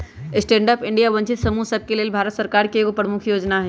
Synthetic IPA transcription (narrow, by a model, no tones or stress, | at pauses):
sʈẽːɳɖəpɪɳɖijaʋə̃ɲt͡ʃɪt̪sɐmusəb̚keleːlbʱaːɾət̪səɾkaːɾkekopɾəmukʰjoːd͡ʒnaɦɛː